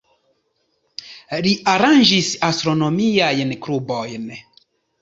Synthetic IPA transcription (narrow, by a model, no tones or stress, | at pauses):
ɾiʔaɾand͡ʒisast̪ɾonomiajnkɾubojn